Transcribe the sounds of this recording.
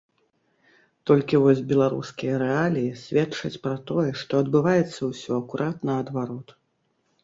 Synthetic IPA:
t̪ɔlʲkʲivɔzʲbʲɛlˠaɾṵskʲijɐɾɛalʲijisʲvʲɛt͡ʂɐt͡sʲpɾɐt̪ɔjɛʂt̪ɔɐd̪bɨvajɛt̪sːɐwsʲɔɐkuɾʔat̪nɐɐd̪vaɾɔt̪

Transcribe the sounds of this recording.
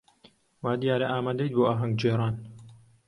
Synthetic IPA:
waːd̪ijaːɾɐʔaːmaːd̪ɐjt̪̚boːaːɦɐŋɡd͡ʒeːɾˤaːn

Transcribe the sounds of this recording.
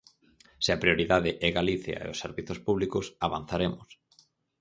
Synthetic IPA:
sɪapɾijoɾiðaðɪʔɛɣaliθja̰ḛʊsːeɾβiθospuβlikʊsaβan̟θaɾemʊs

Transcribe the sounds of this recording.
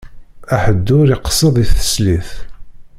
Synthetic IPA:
æħəd̪ːʊɾiqə̥sˤːəðˤiθə̥sliθ

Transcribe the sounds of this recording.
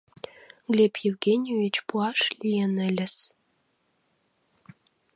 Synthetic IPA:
ɡlʲepjewɡenʲjovʲit͡ɕpuɑʃlʲijenə̆lʲə̆s

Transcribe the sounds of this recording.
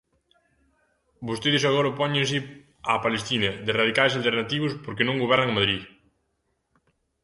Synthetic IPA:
bost̪eðɪsaɣɔɾɐpɔɲẽns̬ɪ | apalest̪inɐðɪraðikajsalt̪eɾnat̪iβ̞ʊspoɾkenõŋɡoβ̞ɛɾnɐŋɐmaðɾi

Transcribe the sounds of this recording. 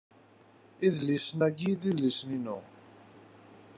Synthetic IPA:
iðlisnæɡiðiðlisninʊ̰

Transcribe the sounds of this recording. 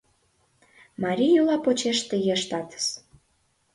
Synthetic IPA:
mɑɾʲijulɑpot͡ɕeʃt̪əjeʃt̪ɑt̪ə̥ʃ

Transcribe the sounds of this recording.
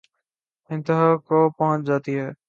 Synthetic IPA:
ɪ̃nt̪ɪɦaːkoːpɔɦʊ̃t͡ɕd͡ʒaːt̪iɦɛː

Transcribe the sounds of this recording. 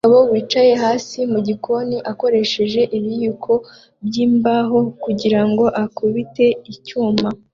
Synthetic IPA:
aβo̞βwiːt͡ʃaje̞ɦaːsimuɟikʰo̞niʔako̞ɾe̞ʃe̞ʒe̞ʔiβijukʰo̞ | bjiːmbaɦo̞kuɟiɾaŋɡo̞ʔakuβite̞icuːma

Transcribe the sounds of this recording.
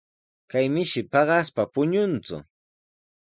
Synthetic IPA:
kajmɪʃɪpɑɢɑspapʊɲʊnt͡sʊ̰

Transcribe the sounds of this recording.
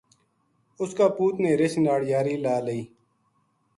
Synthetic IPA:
ʊskaːpuːt̪neːɾɪʃnaːɽjaːɾiːlaːləiː

